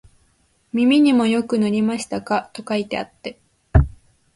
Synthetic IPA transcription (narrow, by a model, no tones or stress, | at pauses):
mʲimʲiɲ̟imo̞jo̞kɯ̟noɾʲimaɕi̥t̪akat̪o̞kait̪e̞a̰t̪ːe̞